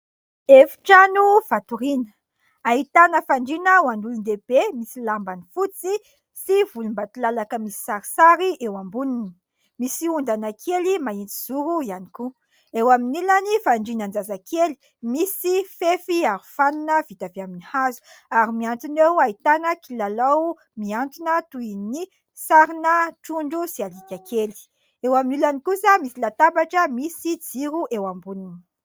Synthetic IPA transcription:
efi̥ʈ͡ʂanuv̥at̪uɾinə̥ | ait̪anəfaɳɖ͡ʐinəwaɳɖ͡ʐulund̪eb̥emisilambanifut͡si | sivulumbat̪ilalakəmisi̥saɾi̥saɾiʔewambunini̥ | misiund̪anakʰelimaint͡siz̥uɾuianiku | ewaminilanifaɳɖ͡ʐinand͡zazakʰeli̥ | misifefiaɾifanunəvit̪aveaminihazu̥ | aɾimiant̪unewait̪anəkilalaw | miant̪unət̪uini | saɾinəʈ͡ʂuɳɖ͡ʐusialikʲakʰeli̥ | ewaminilanikusəmisilat̪abaʈ͡ʂəmisid͡ziɾuʔewambunini̥

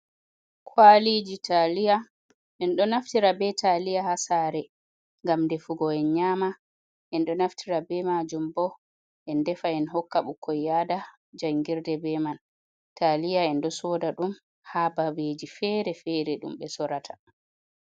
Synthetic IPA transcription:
kʰwalid͡ʒitʰalija | ʔɛnɗɔnaftiɾabɛtʰalijahasaɾɛ | ŋɡamndɛfuɡɔɛnɲama | ʔɛnɗɔnaftʰiɾabɛmad͡ʒumbɔ | ʔɛndɛfaɛnɦɔkːaɓukʰɔjada | d͡ʒaŋɡiɾdɛbɛman | talijaɛnɗɔsɔdaɗum | habawed͡ʒifɛɾɛfɛɾɛɗṵmɓɛsɔɾatʰḁ

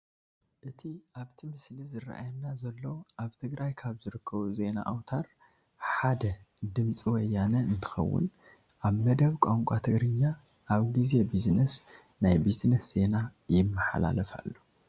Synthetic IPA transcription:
ʔɨt̪ʰiʔaβt̪ʰimɨslizɨrːa̰ʔa̰jɐnːazɐlːoʔaβt̪ʰɨɡɾajkʰaβzɨɾɨkʰːɐβuze̞na̰ʔawt̪ʰaɾ | ħad̪ɐ | d̪ɨmt͡sʼiwɔjːanɐɨnt̪ʰɨ̥xɐ̰wːʊ̰n | ʔaβmɐd̪ɐβkʷʼaŋkʷʼat̪ʰɨɡɾɨɲːa | ʔaβɡize̞biznɐs | najbiznɐsz̥e̞najɪmːɨħa̰la̰lɐfa̰lːu

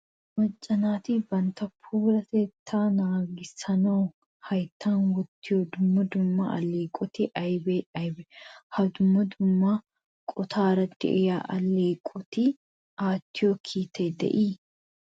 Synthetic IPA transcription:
mɐt͡ʃʼːɐnaːt̪ɪbɐnt̪ɐpʰuːɾɐt̪eːt̪ʰːaːnaːɡɪsɐnoː | hɐjt̪ːaːnwɔt̪ːɪjod̪ʊmːɐd̪ʊmːa̰ɐ̰leːkʼɔt̪ɪʔɐjbeɐbɛhɐd̪ʊmːɐd̪ʊmːa | kʼɔt̪ʰaːɾɐt̪ːɪ̰ʔɪjaːʔɐleːkʼɔt̪ɪ | ʔaːt̪ːɪjokʰiːt̪ːeːd̪ɛ̰ʔiː

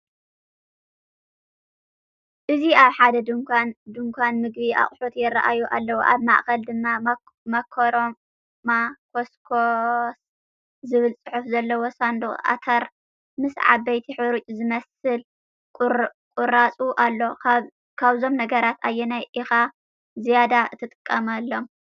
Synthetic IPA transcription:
ʔɨziaβħad̪ɐd̪ɨŋkʰʷand̪ɨŋkʷʰanmɨɡβiʔa̰χʼħut̪jɪra̰ʔajuʔa̰lːɐwuʔa̰βma̰ʔxɐld̪ɨmːa | mɐkʰoɾom | makʰoskʰos | zɨβɨlt͡sʼɨħufzɐlːɐwosand̪oʔa̰t̪ʰɐɾ | mɨsʕa̰βɐjt̪ʰiħɨɾut͡ʃʼuzɨmɐsɨlʼ | kʼurat͡sʼuʔalːo̞ | kʰaβzo̞mnɐɡɐɾat̪ʰajːɛnajʔixa | zijad̪aɨt̪ʰɨt̪ʼɨkʼːɐmalːo̞m

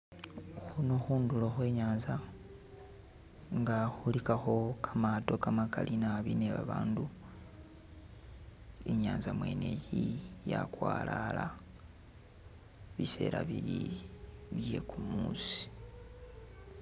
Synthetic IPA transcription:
xunoxuːnduloxwe̞ːɲaːnza | ŋɡaxulikaxo̞kʰamato̞kamakalʔinaβineβa̰βaːndu | eɲaːnzamwe̞ne̞jijakwaːlala | βise̞̰ːɾaβiɾi | βje̞kumuːsi̥

